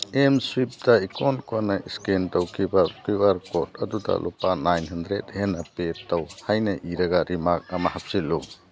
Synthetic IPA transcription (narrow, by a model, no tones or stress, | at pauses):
emswip̚daikʰɔnkuanaiskentawkʰibapɾiwaɾkɔt̚ɐ̰duda̰lʔupanajnɦandɾethenapetawhajnɐʔiɾɐɡaɾimak̚amahap̚silːu